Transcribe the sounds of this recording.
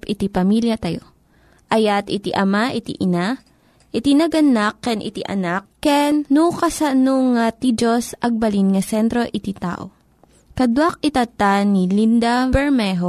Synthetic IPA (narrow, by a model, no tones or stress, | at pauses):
pʔɪt̪ipɐmiljɐt̪ɐjo | ʔɐjat̪ɪt̪iʔɐmaʔɪt̪ḭʔɪna | ʔɪt̪inɐɡɐnakːɛnʔɪ̰t̪ḭʔɐ̰nakːɛnnukɐsɐnoŋat̪id͡ʒosʔɐɡ̚bɐlinŋɐsɛnt̪ɾo̞ʔɪt̪it̪a̰ːʔo̰ | kɐd̪wak̚ɪt̪ɐt̪anilind̪abɛɹmɛɦo